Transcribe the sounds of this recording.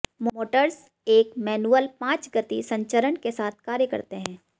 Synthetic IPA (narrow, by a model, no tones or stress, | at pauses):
mooːʈəɾs | eːkmɛːnuːəlpãːt͡ʃɡət̪isɐ̃ɲt͡ʃəɾənkesaːt̪̚ʰkaːɾjəkɐ̰ɾt̪eɦɛ̃ː